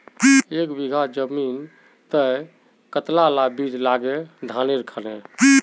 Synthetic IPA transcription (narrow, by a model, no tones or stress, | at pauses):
iekbiɡʱad͡ʒəmin | t̪ə | kət̪lalabid͡ʒlaɡed̪ʱaneɾəkʰəlei